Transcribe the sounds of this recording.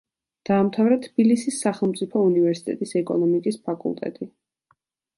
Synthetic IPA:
d̪̥aːmt̪ʰavɾɛt̪ʰbilisisːaχɛlˠmt̪sʼipʰɔunivɛɾsit̪ʼɛ̰t̪ʼisɛkʼɔ̰nɔmikʼispʰakʼṵlˠt̪ʼɛ̰t̪ʼi

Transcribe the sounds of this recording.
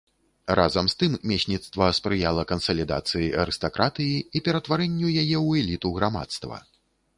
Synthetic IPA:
rʔa̰zɐmst̪ɨmmʲɛsʲnʲit̪st̪vɐspɾɨjalˠɐkɐnsɐlʲid̪a̰t̪sɨjiɐɾɨst̪akɾʔat̪ɨjiipʲɛɾɐt̪vaɾɛnʲːujajɛwɛlʲit̪uɣɾama̰t̪st̪vɐ̰

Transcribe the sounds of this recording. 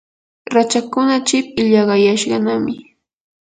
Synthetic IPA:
ɾat͡ʃakʊnat͡ʃɪp̚ɪʎɑɢɑjaʃɢɑnamɪ

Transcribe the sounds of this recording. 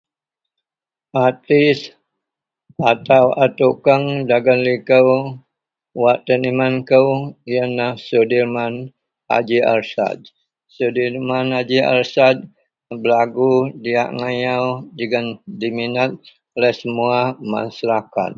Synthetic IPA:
at̪is | at̪awat̪ukəŋdaɡənlikəw | waʔt̪ənimankəwiənːahsudirman | a̰d͡ʒia̰ɾsa̰d̪̚ | sudirmanad͡ʒia̰lsat̪̚ | bəlaɡudia̰ʔŋajawd͡ʒəɡəndiminat̪̚ | olɛhsəmuama̰slaka̰t̪̚

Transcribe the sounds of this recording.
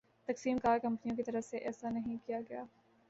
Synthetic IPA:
t̪ɐksiːmkaːɾkɐ̃mpnijõk̬it̪ɐɾəfseʔɛːsanɐɦĩkijaɡɐjaː

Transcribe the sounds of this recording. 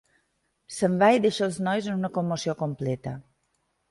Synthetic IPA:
səmbaideʃəəlˠznɔjzənunəkomːosiokomplɛt̪ə

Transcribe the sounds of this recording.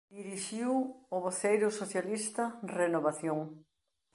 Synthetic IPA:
d̪iɾiʃiwʊβoθejɾʊsoθjalist̪ɐrenoβaθjoŋ

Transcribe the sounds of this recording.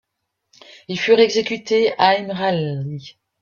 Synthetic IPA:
ilfyʁɛɡzekʲyt̪eaɛmʁalʁi

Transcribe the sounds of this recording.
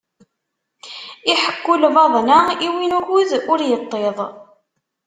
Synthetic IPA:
iħə̥kːʊlvɑðˤnaiwinukuðʊɾjət̪ˤːeðˤ

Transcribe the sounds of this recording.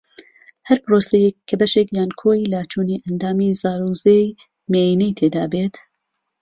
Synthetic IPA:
hɐɾpɾoːsɛjekʰːɐbɐʃeːkjaːnkʰoːjlat͡ʃʰuːniːʔɐnd̪aːmiːzaːɾuzej | meinijt̪ʰeːd̪aːbeːt̪

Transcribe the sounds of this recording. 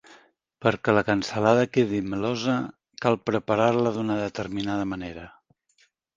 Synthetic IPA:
pəɾkələkənsəlaðəkeðiməlozə | kalˠpɾəpaɾaɾləðunəðət̪əɾminaðəməneɾə

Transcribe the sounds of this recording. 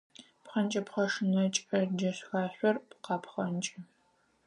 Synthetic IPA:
pχɐnt͡ʃʼɐpχɐʂɨnɐt͡ʃʼɐd͡ʒɐɕxaːɕʷɔrqɑːpχɐnt͡ʃʼɐ

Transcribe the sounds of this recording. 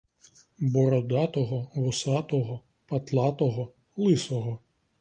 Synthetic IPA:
bɔɾɔd̪ɑt̪ɔɦɔʋɔsɑt̪ɔɦɔ | pɐt̪lˠɑt̪ɔɦɔ | lˠɪsɔɦɔ

